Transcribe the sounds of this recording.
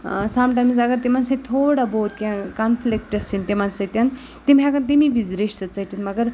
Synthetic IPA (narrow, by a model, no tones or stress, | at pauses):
samʈajmsɐɡəɾt̪imansɐt̪ʰoɽaboːt̪kʲãkanfʰlik̚ʈɐsint̪emansɐjt̪ʲjãn | t̪imɦãkɐnt̪imiʋid͡zɾiʂt̪ət͡sɐɦt̪it̪mɐɡəɾ